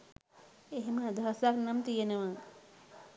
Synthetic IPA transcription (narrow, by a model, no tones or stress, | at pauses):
eɦmad̪ʱasaknɐmt̪ijeneʋãŋ